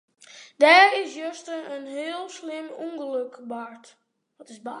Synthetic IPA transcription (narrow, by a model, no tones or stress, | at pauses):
dɛːɾɪsjøstəənɦɪːlˠslɪmuŋɡəløkbaɹt | ʋɔtɪzba